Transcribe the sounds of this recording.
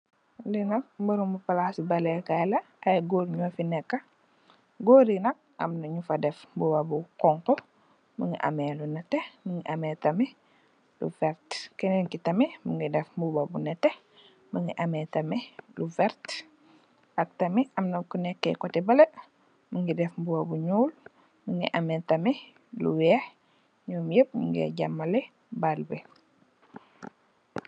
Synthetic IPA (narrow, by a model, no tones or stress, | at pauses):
linɐk̚buɾumbupɐlasibɐlɛkajlɐ | ɐjɡoɾɲuɐfinɛkːɐ | ɡoːɾinɐk̚ɐ̰mnɐɲufɐdɛfbubabukɔŋkɔ | məŋɡḭʔa̰melunɛtːɛməŋɡiʔɐmetɐmɛ | lṵfɛɾtkɛnɛŋkitɐmiməŋɡidɛfbubabunɛte | məŋɡiʔɐmɛtɐmɛluvɛɾt | ʔɐk̚tɐmiʔɐmnɐkunɛkːɛ̰kɔtɛbɐlɐ | məŋɡidɛfmbubɐbuɲuːl | məŋɡḭʔɐmɛtɐmɛ | lṵwɛːh | ɲuːmjəp̚ɲṵŋɡɛ̰ɟamːɐle | balbe